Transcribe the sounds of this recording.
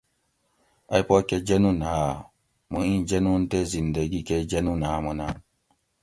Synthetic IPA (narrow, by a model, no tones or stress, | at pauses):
aipɔkɛd͡ʒenũnaa | mũĩnd͡ʒenũn̩tezindeɡikɛd͡ʒenũnaamuna